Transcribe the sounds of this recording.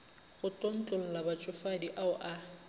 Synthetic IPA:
ɣʊtʼon̩t͡ɬʼʊl̩labat͡ʃʼʊfadiʔaʊʔa

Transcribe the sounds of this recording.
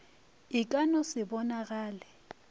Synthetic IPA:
ɪkʼanɔsɪbɔnaɣaːlɛ

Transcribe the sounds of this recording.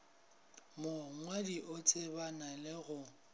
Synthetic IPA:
moŋwadiʔot͡sʼɪbanalɪɣʊ

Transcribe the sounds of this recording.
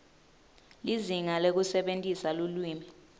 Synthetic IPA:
liziŋalek̬usɛɓentʼisalulwiːmɛ

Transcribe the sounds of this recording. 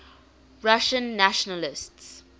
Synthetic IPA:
ɹaʃə̃nːæʃɔnəlɪsts

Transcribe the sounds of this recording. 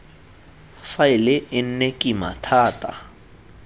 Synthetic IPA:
faɪlɪʔɪn̩nekʼima̰tʰaːtʼa̰

